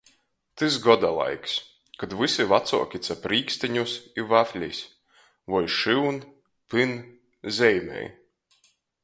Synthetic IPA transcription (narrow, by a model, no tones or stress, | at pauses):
t̪ɨsɡɔd̪alˠa̰jks | kad̪vɨsivat̪suɔkʲit̪sapɾiːksʲt̪iɲusivafʲlʲḭsʲ | vɔjʃiwn | pɨn | zʲɛjmʲɛ̰j